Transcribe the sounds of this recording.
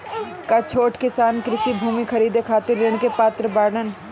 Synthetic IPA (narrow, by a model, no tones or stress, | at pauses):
kat͡ʃʰoːʈkɪsaːnkɾɪsibʱuːmikʰɐɾiːd̪ekʰaːt̪ɪɾːɪɳ̃kepaːt̪ɾəbaːɾɳən